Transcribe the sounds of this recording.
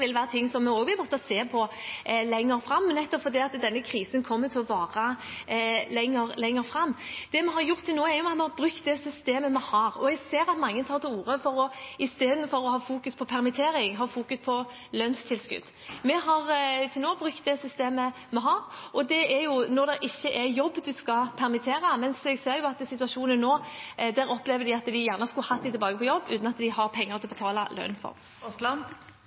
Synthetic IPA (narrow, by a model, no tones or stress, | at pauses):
ʋɪlʋæːɾət̪ʰɪŋːsɔmːɛoːɡʋɪlmɔt̪ːɑseːpʰɔlɛŋːəɾfɾɑmːɛnɛt̪ːɔpfɔɾd̪iːɑt̪d̪ɛnːəkʰɾiːsənkʰɔmːət̪ʰɪlɔʋɑːʁə | lɛŋːəɾlɛŋːəɾfɾɑmːd̪̥ɛmɛɦɑɾjʊʁt̪ʰːɪlnoːæɾjʊmɑt̪mɛhɑɾbɾʉkt̪̚d̪ɛsʏst̪eːməmɛhɑɾɔ̰ɛɡseːɾɑt̪mɑŋːət̪ʰɑːɾt̪ʰɪluːɾəfɔɾɔɪst̪eːd̪n̩fɔɾɔhɑːfuːkʉspʰɔpʰɛʁmɪt̪ʰeːɾɪŋɦɑːfuːkʉspʰɔ | lœnst̪ʰɪlskʉ̰d̪ | mɛɦɑʁt̪ʰɪlnoːbʁʉkt̪̚d̪ɛsʏst̪eːmə | mɛɦɑːʁɔd̪ɛæɾjʊnɔʁd̪ɛʔɪçːəʔɛjɔbːd̪ʉskɑpʰæʁmɪt̪ʰeːʁəmɛnsɛɡseːɾjʊɑt̪sɪt̪ʉɑʂuːnənːoːd̪æɾɔplɛʋəd̪ɪɑt̪d̪ɪjæːʁnəɑskʉlhɑt̪d̪ɪt̪ɪlbɑːɡəpʰɔjɔbːʉ̰t̪nɑt̪d̪ɪhɑʁpʰɛŋːəʁt̪ʰɪlɔbət̪ʰɑːlɑlœ̰nfɔ̰ʁ